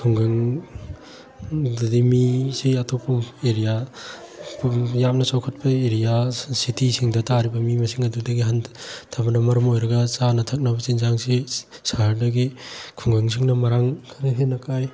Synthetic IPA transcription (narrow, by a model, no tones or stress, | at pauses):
kʰuŋɡɐŋ | ddimisiɐtʰopɐmeɾija | pjam̚nɐsawkʰɐt̚pɐeɾijasitisʰiŋdɐtaɾibɐmimɐsiŋɐdudɐɡiɦantʰabɐnɐmɐɾɐmojɾɐɡɐt͡ʃanɐtʰɐk̚nɐbɐt͡ʃinzaŋsi | saɾdɐɡikʰuŋɡɐŋs̬iŋnɐmɐɾaŋkʰaniɦenːɐkʰaj